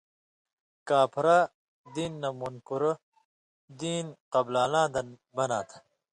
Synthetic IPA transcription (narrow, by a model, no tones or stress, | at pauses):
kaːpʰɾa | d̪iːnːɐmunkuɾɐ | d̪iːnqɐblaːlãːd̪ɐn | bɐnaːt̪ʰɐ̥